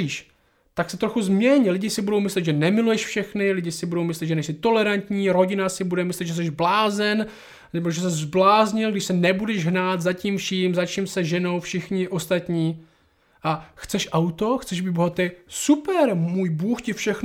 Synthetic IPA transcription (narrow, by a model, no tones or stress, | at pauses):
iːʃ | t̪aksɛt̪ɾoxuzmɲɛɲlɪɟɪsɪbudo̞wmɪslɛd̪ʒɛnɛmɪlujɛʃfʃɛxnɪlɪɟɪsɪbudo̞wmɪslɛd̪ʒɛnɛʃsɪt̪o̞lɛɾant̪ɲiːɾo̞ɟɪnasɪbudɛmɪslɛd̪ʒɛs̬ɛʒblaːzɛn | nɛboʒɛs̬ɛzblaːzɲɪlɡdɪʃsɛnɛbudɛʒɦnaːt̪zaciːmfʃiːmzat͡ʃiːmsɛʒɛno̞wfʃɪxɲɪʔo̞st̪at̪ɲiː | ʔaxt͡sɛʃʔawt̪o̞xt͡sɛʒbɪboɦat̪ɛjsupɛɾmuːjbuːxcɪfʃɛxn